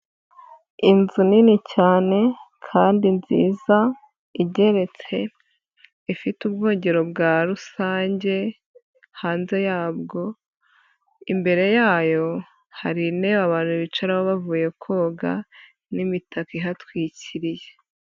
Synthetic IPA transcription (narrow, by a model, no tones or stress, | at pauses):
inzuninicaːne̞kʰaːndinzḭːza | iɟe̞ɾe̞t͡se̞ | ifitubɡo̞ːɲɟe̞ɾo̞bɡaɾusaːɲɟe̞ | haːnze̞jaːbɡo̞ | imbe̞ɾe̞jaːjo̞ | haɾineβaβaːn̥uiβit͡ʃaɾaβoβavuːje̞kʰo̞ːɡa | nimitʰakiɦatwiːciɾije̞